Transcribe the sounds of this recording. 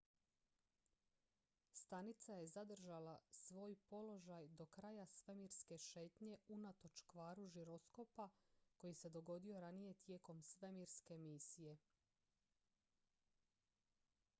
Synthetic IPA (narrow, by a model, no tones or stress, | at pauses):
st̪anit̪saje̞zad̪r̩ʒalasʋo̞ːjpo̞lo̞ʒajd̪o̞kɾaːjasʋe̞miɾske̞ʃe̞ːt̪ɲe̞unat̪o̞t͡ʃkʋaːɾuʒiɾo̞sko̞pako̞jise̞d̪o̞ɡo̞d̪io̞ɾanije̞t̪je̞ːko̞msʋe̞miɾske̞misije̞